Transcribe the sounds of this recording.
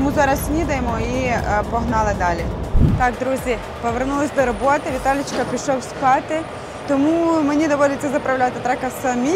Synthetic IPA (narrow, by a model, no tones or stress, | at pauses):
t̪muzɑɾɐsnʲid̪ɐjemɔipɔɦnɑlˠɪd̪ɑlʲit̪ɑkd̪ɾuzʲi | pɔʋernulˠɪsʲd̪ɔɾɔbɔt̪ɪʋʲit̪ɑlʲɪt͡ʃkɐpʲiʃɔwsʲpɑt̪ɪ | t̪ɔmumenʲid̪ɔʋɔd̪ʲɪɐzɐpɾɐwlʲat̪ɪt̪ɾɛkɐsɐmʲi